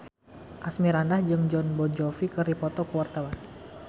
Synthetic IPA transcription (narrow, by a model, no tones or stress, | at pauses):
ʔasmiɾandahd͡ʒɨŋd͡ʒɔnbɔd͡ʒɔfikɨripɔt̪ɔkəwart̪awan